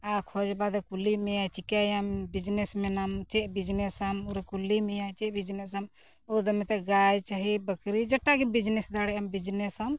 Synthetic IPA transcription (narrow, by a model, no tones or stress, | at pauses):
akʰɔd͡ʒbad̪ɛkulimɛjat͡ʃikajambid͡ʒnɛsmɛnamt͡ʃɛʔ̚bid͡ʒnɛsamuɾɛkulimɛjat͡ʃɛbid͡ʒnɛs̬am | ɔd̪ɔmɛt̪ɛɡajt͡ʃaɦibəkɾid͡ʒɐʈːaɡibid͡ʒnɛsd̪aɽɛambid͡ʒnɛsam